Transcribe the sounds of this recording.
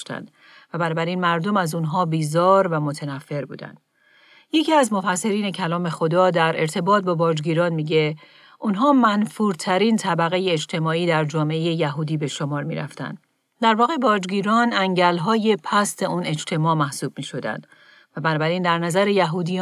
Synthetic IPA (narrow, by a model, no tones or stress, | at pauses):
ʃt̪æ̰nd̪̥ | væbænɔːbæɾiːnmæɾd̪o̞mæzunɦɒːbiːzɒːɾvæmo̞t̪ʰenæfːe̞ɾbṵːd̪æ̰nd̪ | je̞ciːæzmo̞fæsːe̞ɾiːne̞cʰælɒːme̞xo̞d̪ɒːd̪æɾe̞ɾt̪ʰe̞bɒːt̪̚bɒːbɒːd͡ʒɡiːɾɒːnmiːɟe̞ | ʔunɦɒːmænfuːɾt̪ʰæɾiːnt̪ʰæbæɣe̞jeːd͡ʒt̪ʰe̞mɒːiːd̪æɾd͡ʒɒːme̞ʔeje̞jæɦuːd̪iːbe̞ʃomɒːɾmḭɾæ̰ft̪æ̰nd̪ | d̪æɾvɒːɣe̞bɒːd͡ʒɡiːɾɒːnæŋɟælɦɒːjepʰæst̪e̞ʔuːne̞d͡ʒt̪ʰe̞mɒːmæhsuːb̥̚miːʃo̞d̪æ̰nd̪̥ | væbænɒːbæɾiːnd̪æɾnæzæɾejæɦuːd̪i